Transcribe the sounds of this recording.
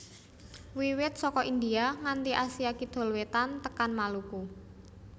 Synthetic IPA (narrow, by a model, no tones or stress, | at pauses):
wiwɪt̪̚sɔkɔʔind̪iaŋant̪iʔasiakid̪̥ɔ̤lwet̪ant̪əkanmaluku